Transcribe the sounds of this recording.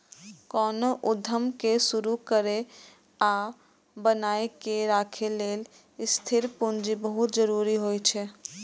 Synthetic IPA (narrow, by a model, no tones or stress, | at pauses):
kɔnoʔud̪ʱəmkesuɾukəɾe | a | bənaekeɾakʰelel | st̪ʰiɾpund͡ʒibəɦut̪̚d͡ʒəɾuɾiɦojt͡ʃʰɛ